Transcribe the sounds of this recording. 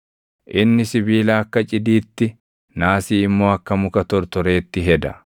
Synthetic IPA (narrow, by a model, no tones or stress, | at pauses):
ʔɪnːɪsɪbiːlaːɐkːɐt͡ʃʼɪd̪iːt̪ːɪ | naːsiːɪmːo̞ːɐkːɐmʊkɐt̪ɔɾt̪ɔɾe̞ːt̪ːɪɦɛd̪ɐ